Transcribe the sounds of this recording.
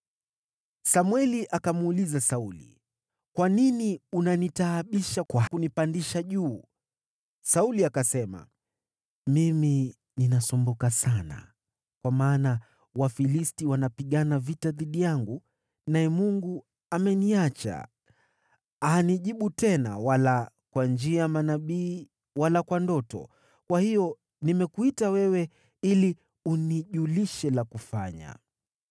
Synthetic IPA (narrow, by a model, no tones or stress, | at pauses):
samwɛliʔakamulizasaulḭ | kwaniniunanitaːɓiʃakwakunipandiʃaʄuː | sauliakasɛma̰ | mimi | ninasɔmbɔkasana̰ | kwamaːna | wafilistiwanapiɠanavitaðiɗijaŋɡu | naɛmuŋɡu | amɛniat͡ʃa̰ | ahaniʄiɓutɛna̰wala | kwand͡ʒiamanaɓiː | walakwandɔtɔ̰ | kwahijɔ | nimɛkuitawɛwɛ | ili | uniʄuliʃɛlakufa̰ɲa̰